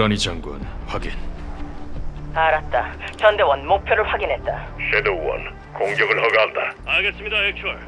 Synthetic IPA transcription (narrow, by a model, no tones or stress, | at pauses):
ʌnit͡ɕʌŋɡo̰nɸwaɡin | aɾat̚t͈at͡ɕʰʌnde̞wʌnmok̚pʰjʌɾɯɭɸwaɡinɦe̞t̚t͈a | ɕedowʌ̰n | koŋɡjʌɡɯɭɦʌɡɦamdaaɭɡes͈ɯmɲidaek̚t͡ɕʰʌɾ